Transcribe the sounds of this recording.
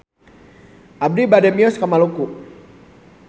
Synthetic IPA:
ʔab̚dibadɛmiɔskamaluku

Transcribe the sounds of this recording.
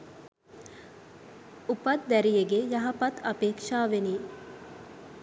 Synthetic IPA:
upɐt̪̚d̪æɾijeɡejɐɦɐpɐt̪ɐpeːkʂaːʋeniː

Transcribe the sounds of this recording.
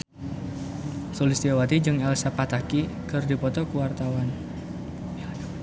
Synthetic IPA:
solisd̪iawat̪id͡ʒɨŋɛlsapat̪aki | kɨrdipɔt̪ɔkuwart̪awan

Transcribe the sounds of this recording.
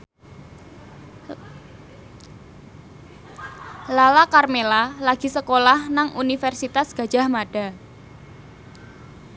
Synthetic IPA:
lalakarmelalaɡ̥i̤səkolahnaŋʔunifɛrsit̪asɡ̥ä̤̥ʒ̥a̤hmaɖ̥a̤

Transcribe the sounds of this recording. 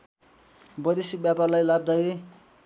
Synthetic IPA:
bʌjd̪esik̚bjaparlajlab̚d̪ʌj

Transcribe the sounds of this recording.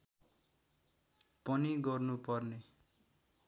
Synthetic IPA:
pʌniɡʌrnupʌrne

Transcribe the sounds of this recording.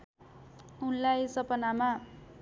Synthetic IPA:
unlajsʌpʌnama

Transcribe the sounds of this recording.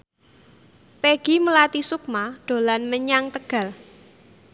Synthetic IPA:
peɡ̥i̤məlat̪isuk̚maɖ̪̥o̤lanməɲaŋt̪əɡ̥ä̤l

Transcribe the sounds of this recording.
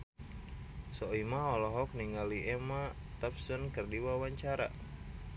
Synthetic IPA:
sɔimaɔlɔɦɔk̚niŋɡaliʔɛma | t̪apsənkərdiwawaɲt͡ʃaɾa̰

